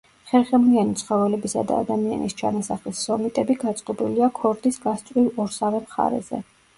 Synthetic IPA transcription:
χɛɾχɛmlianit̪sʰχɔvɛlɛbisa̰d̪a̰ːd̪amia̰nʔist͡ʃʰanasaχlisːɔmit̪ʼɛbiɡat̪sʼqʼɔbiliakʰɔɾd̪isɡast̪ʼɾivɔɾsavɛmχa̰ɾɛ̰zɛ̰

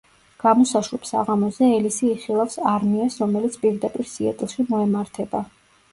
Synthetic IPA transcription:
ɡ̥amɔsaʃɾɛpsa̰ʁamɔzɛɛlisiːχilˠafsaɾmiasɾɔmɛlit̪sʰpʼiɾd̪apʼiɾsiɛt̪ʼlˠʃimɔɛmaɾt̪ʰɛba

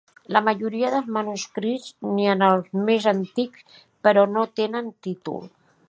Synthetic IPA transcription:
lamaʒuɾiaðəlzmanuskɾiznianalzmezant̪iks | pəɾonot̪enənt̪it̪ṵl

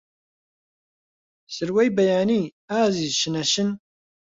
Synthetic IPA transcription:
sɨɾwejbɛjaːniː | aːziːzʃɨnɛʃɨn

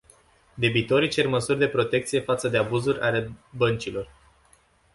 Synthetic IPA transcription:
d̪e̞bit̪o̞ɾit͡ʃe̞rməsurʲd̪e̞pɾo̞t̪e̞kt̪sije̞fat̪səd̪e̞abuzurʲʔale̞bənt͡ʃilo̞r

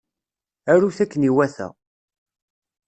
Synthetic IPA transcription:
æɾuθækːəniwæθæ̰

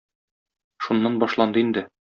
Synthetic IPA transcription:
ʃunːɑnbɒʃlˠɑnd̪ɤind̪ɘ

